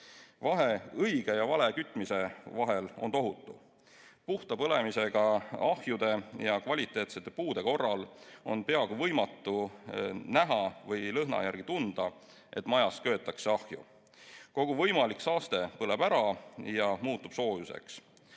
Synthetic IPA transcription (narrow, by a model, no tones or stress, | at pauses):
vɑɦe̞ɤjɡ̥e̞jɑvɑle̞kyt̪ːˑmise̞vɑɦe̞lo̞̰nt̪o̞ɦut̪ːˑu | puht̪ɑpɤle̞mise̞ɡ̥ɑɑhjud̪̥e̞jɑkvɑlʲit̪ˑːe̞ːt̪se̞t̪ːe̞puːd̪̥e̞ko̞rːɑlo̞npe̞ɑɡuvɤjmɑt̪ːˑu | næɦɑvɤjlɤɦnɑ̰jærɡ̥it̪und̪̥ɑ | ʔe̞t̪ːˑmɑjɑskø̞ːt̪ːˑɑkseɑhjṵ | ko̞ɡ̥uvɤjmɑliksɑːst̪e̞pɤle̞bæɾɑjɑmuːt̪ːub̥so̞ːjuse̞̰ks